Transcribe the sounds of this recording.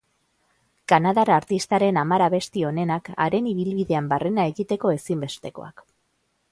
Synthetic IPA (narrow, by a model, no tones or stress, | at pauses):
kanaðaɾaɾt̪ist̪aɾe̞namaɾaβe̞st̪io̞ne̞naka̰ɾe̞niβ̞ilβiðe̞ambare̞nae̞ɣit̪e̞ko̞e̞simbe̞st̪e̞ko̞̰a̰k